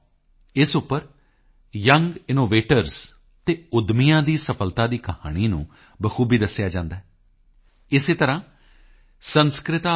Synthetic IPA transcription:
ɪsʊpːəɾ | jəŋɡɪnoːʋeːʈəɾs | t̪eːʊd̪mɪjãːd̪iːsəpʰəlt̪aːd̪iːkəhaːɽ̃iːnṵ̃ː | bəkʰuːbiːd̪əsːjaːd͡ʒãːnd̪aːɦɛː | ɪseːt̪əɾãː | sənskɾɪt̪aː

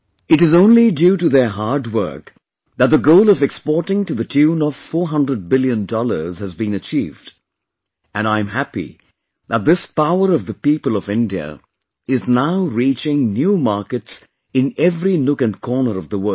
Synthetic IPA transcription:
ɨɾɨzõʊ̃nlidjuɾɨðə˞ɦɑɹd̚wɜ̰˞k | ðət̪̚ðəɡoʊlˠʌvɛkspɔɹɾɪ̃ŋtɨðɨtʰʉ̃nʌv̥fɔɹɦʌ̃ndɹəd̚bɪlˠjɨ̃ndɔlˠə̰˞z̥hɨzbĩnɨt͡ʃʰḭːvd | ɨ̃naɪɨ̃mɦæpḭ | ðət̪̚ðɪspaʊə˞ʌvðəpipəlˠʌvɪ̃ndiɨ̰ | ɪznaʊɹit͡ʃɪ̃ŋnjumɑɹkɨts | ɨ̃nɛvɹinʊkɨ̃nkʰɔɹnə˞ʌvðəwɜ˞

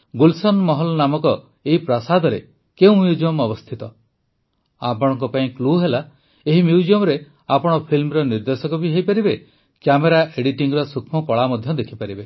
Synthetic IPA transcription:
ɡulsɔnmɔɦɔlɔnamɔkɔ | eɦipɾasad̪ʱɔɾe | keũmjud͡ʒiɔmɔbɔst̪ʰit̪ɔ | apɔɽ̃ɔŋkɔpaĩkluɦela | eɦimjud͡ʒiɔmɔɾe | apɔɽ̃ɔpʰilmɔɾɔniɾd̪esɔkɔbiɦejpaɾibe | kjameɾaʔeɽiʈiŋɡɾɔsukʰmɔkɔɭamɔd̪ʱjɔd̪ekʰipaɾibe

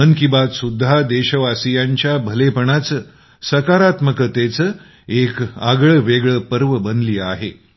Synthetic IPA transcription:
ənkibat̪sud̪ʱːad̪eɕəʋasijaɲt͡ɕjabʱəlepəɳat͡sə | səkaɾat̪məkət̪et͡sə | ekaɡɭəʋeɡɭəpəɾʋəbənd̪liːaɦe

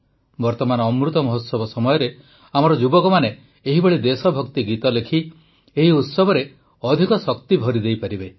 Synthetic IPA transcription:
bɔɾt̪ɔmanɔːmɾut̪ɔmɔɦɔt̪sɔbɔsɔmɔjɔɾe | amɔɾɔd͡ʒubɔkɔmane | eɦibeɭid̪esɔbʱɔkt̪iɡit̪ɔlekʰi | eɦiut̪sɔbʱɔɾe | ɔd̪ʱikɔsɔkt̪ibʱɔɾid̪ejpaɾibe

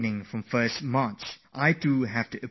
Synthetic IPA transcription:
nɪ̃ŋfɹɔ̃mfɜsmãnsʔajtuɦɛftuʔə

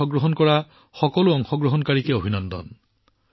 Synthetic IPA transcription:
ɔɡɹɔɦɔnkɔɹa | xɔkɔluɔŋxɔɡɹɔɦɔnkaɹikeobʱinɔnd̪ɔ̰n

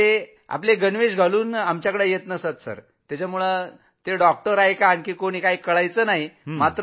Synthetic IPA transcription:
e | a̰pleɡənʋeɕɡʱaluːnamt͡ɕjakəɽejet̪nəsat̪sə̰ɾ | t̪jat͡ɕamuɭə | t̪eɖɔk̚ʈəɾaɦjkaːɳkiːkoɽ̃iːkaɦikəɭajt͡sənaɦimat̪ɾ

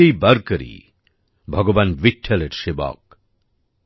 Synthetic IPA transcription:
ejbɐɾkəɾḭ | bʱɔɡɔʋanʋiʈʰːeleʈʃebɔ̰k̚

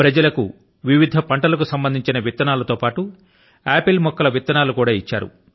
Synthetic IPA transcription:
pɾɐd͡ʒɐlɐku | ʋiʋid̪ʱɐpɐɳʈɐlɐkusɐmbɐnd̪ʱiɲt͡ʃinɐʋit̪ːɐnaːlɐt̪oːpaːʈu | aːpilmɔkːɐlɐʋit̪ːɐnaːlukuːɽaːit͡ʃːa̰ːɾṵ

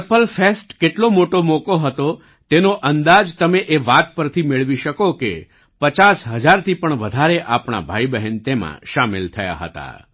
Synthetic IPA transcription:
əpəlfesʈkeʈlomoʈomokoɦət̪o | t̪enoʔənd̪ad͡ʒt̪əmeʔeʋat̪̚pəɾt̪ʰimeɭʋiʃəkokḛ | pət͡ʃasɦəd͡ʒaɾt̪ʰipəɳʋəd̪ʱaɾeʔapɳa̰bʱaibəɦɛnt̪emã̰ʃamɪlt̪ʰəja̰ɦə̰t̪a̰

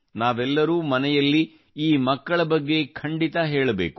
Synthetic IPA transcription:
naːʋɛlːɐɾuːmɐnɛjɐlːi | iːmɐkːɐɭɐbɐɡːe̞kʰɐɳɖit̪ɐɦeːɭɐbeːku̥

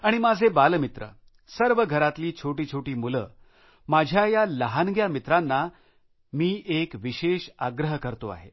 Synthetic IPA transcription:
aɽ̃imad͡zʱebalmit̪ɾə̰ | səɾʋəɡʱəɾat̪liːt͡ɕʰoʈiːt͡ɕʰoʈiːmuləː | mad͡ʑʱjajaləɦanɡjamit̪ɾanːa | miːʔekʋiɕeɕa̰ɡɾəɦkəɾt̪oa̰ɦe

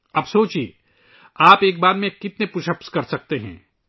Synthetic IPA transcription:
ɐbsoːt͡ʃḭː | aːpeːk̚baːɾmẽkɪt̪nepʊʃəpskɐɾsɐk̚t̪eɦɛ̰̃ː

